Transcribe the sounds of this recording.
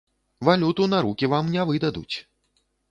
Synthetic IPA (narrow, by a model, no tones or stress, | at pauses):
valʲut̪unaɾukʲivamnʲavɨd̪ɐd̪ut͡sʲ